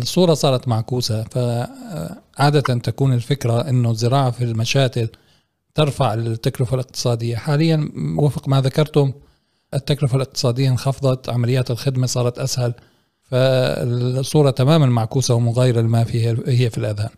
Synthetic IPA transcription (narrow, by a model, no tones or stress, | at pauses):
ɪsˤːuːɾˤɑsˤɑːɾˤɑt̪maʕkuːsafa | ʕaːd̪at̪ant̪akuːnɪlfɪkɾaʔɪnːʊzːɪɾɑːʕafilmaʃaːkɪl | t̪ɪɾˤfaʕt̪ːaklʊfalɪq̚t̪ɨ̥sˤɑːd̪ɪjːaħaːlɪjːanwɪfqmaðakɑɾˤt̪ʊm | ʔɪt̪ːaklʊfalɪq̚t̪ɨ̥sˤɑːd̪ɪjːanxɑfðˤɑt̪ʕamalɪjːaːt̪ɪlxɪd̪masˤɑːɾˤɑt̪ʔashal | faɪ̰sˤːuːɾˤɑt̪amaːmanmaʕkuːsawmʊɣaːjɪɾalɪmafiːhahɪjːafilʔaðaːn